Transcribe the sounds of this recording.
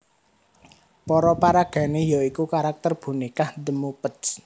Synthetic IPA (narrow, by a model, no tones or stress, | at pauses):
pɔɾɔpaɾaɡ̥a̤nejaikukaɾak̚t̪ərb̥ṳnikahd̪əmupət̪s